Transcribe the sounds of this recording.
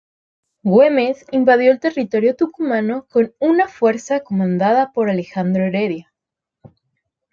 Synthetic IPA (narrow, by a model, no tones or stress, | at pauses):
ɡwemesimbað̞jo̞elt̪e̞rit̪o̞ɾjot̪ukumano̞ko̞nunafwe̞ɾsakomãnd̪aðapoɾalexand̪ɾoeɾeðja